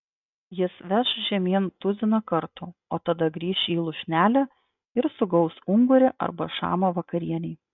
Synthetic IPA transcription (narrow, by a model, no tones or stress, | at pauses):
jɪsʋʲæʃʒʲɛmʲiɛnt̪ʊzʲɪnɐkɐɾt̪ʊoːt̪ɐd̪ɐɡɾʲiːʃʲiːlˠʊʃʲnʲæːlʲæ | ɪɾsʊɡɒʊsʊŋɡʊɾʲɪʔɐ̰ɾbɐ̰ʃɑ̰ːmɐʋɐkɐɾʲiɛnʲɛɪ